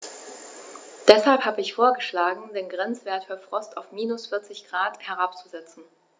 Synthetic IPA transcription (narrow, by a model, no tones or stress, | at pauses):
d̥ɛshalphaːbəɪçfoːɐɡəʃlaːɡŋ̩deːnɡʁɛnt͡sv̥eːɐtfyːɐfʁ̥ɔstaʊfmiːnʊsfɪɐt͡sɪçɡ̥ʁaːthɛɐʁ̞ap̚t͡suzɛt͡sn̩